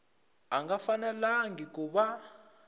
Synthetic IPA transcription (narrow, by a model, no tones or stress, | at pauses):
aŋɡafanɛlaŋɡik̬uɓa